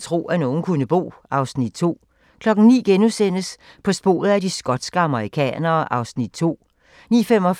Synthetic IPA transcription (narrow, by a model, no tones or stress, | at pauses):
t͡sʰʁo̝̰ːʔæno̝ːn̩kʰunəb̥o̝̰ː | ɑ̈ʊsnid̥t͡sʰo̝̰ː | kʰlɒ̽ɡ̥n̩nḭːɡ̥enusen̰əs | pʰɒ̽sb̥o̝̰ːð̩ˠædisɡ̥ɒ̽d̥sɡ̥əɑ̈məʁikʰɛ̰ːnɐːʔɑ̈ʊsnid̥̚t͡sʰo̝̰ː | nḭːfem̰ɒ̽